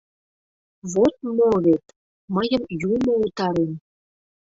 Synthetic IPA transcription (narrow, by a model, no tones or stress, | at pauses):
βot̪̚moβet̪ | məjə̆mjumout̪ɑɾen